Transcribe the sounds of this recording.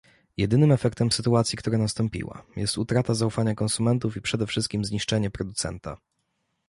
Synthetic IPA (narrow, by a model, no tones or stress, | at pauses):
jɛd̪ɘnɘmɛfɛkt̪ɛmsɘt̪uat̪sʲjikt̪uɾanast̪ɔmpʲḭwa̰jɛst̪ut̪ɾat̪azaufaɲakɔnsumɛnt̪ufipʂɛd̪ɛfʂɘst̪̚kʲimzɲiʂt͡ʂɛɲɛpɾɔd̪ut̪sɛ̰nt̪a̰